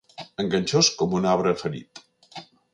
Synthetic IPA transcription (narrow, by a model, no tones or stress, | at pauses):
əŋɡənʲt͡ʃoskɔmunaβɾəfəɾḭt̪